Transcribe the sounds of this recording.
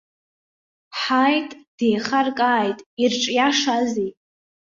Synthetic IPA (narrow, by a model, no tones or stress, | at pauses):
ħajtʼd̥e̞jχarkʼaːjtʼirʈ͡ʂʼjaʂazi